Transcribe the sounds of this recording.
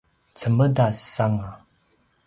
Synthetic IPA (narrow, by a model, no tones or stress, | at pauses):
t͡sʰəməd̪assaŋa